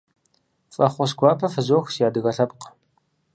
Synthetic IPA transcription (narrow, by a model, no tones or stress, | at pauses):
t͡sʼɐχʷɔs̬ɡʷɑːpʰɐfɨzoːxsjaːdɨɣɐɬɐpq